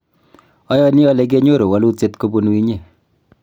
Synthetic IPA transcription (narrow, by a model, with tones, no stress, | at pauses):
ɔ˦jɔ˦ni˦ɔ˦lɛ˨k̬e˦ɲo˦ɾo˨wa˨˦lu˦tt͡ʃe˦tko˦bu˦nwi˦ɲe˦˨